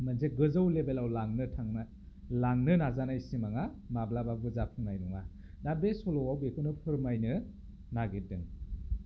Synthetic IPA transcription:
manzeɡɯzawlebelawlaŋnɯtʰaŋna | laŋnɯnazanajsimaŋa | mablababɯzapʰɯŋnajnɔŋa | dabesɔlɔwawbekʰunɯpʰɯɾmajnɯ | naɡedɯŋ

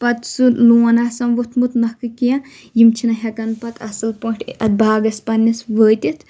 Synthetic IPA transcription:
pɐt̪sɨluːnasɐmʋut̪ʰmut̪nɐhkɨkijɐ̃ | jimt͡ʃʰinɐɦʲɐkɐnpɐt̪ʰɐsɨlpoʈʰɐt̪̚bʱaːɡɐspɐnːisʋəːt̪it̪ʰ

